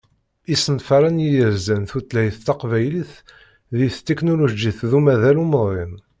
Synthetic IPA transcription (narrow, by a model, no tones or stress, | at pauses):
isənfɑɾˤænjijəɾzænθut̪ːlæhəθt̪ːɑqvæjliθ | ðiθt̪ːeknolod͡ʒiθðumæðæluməðˤem